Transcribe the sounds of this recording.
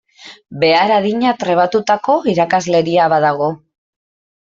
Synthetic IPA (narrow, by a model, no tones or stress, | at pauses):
be̞aɾaðiɲat̪ɾe̞β̞at̪ut̪ako̞iɾakazle̞ɾiaβaðaɣo̞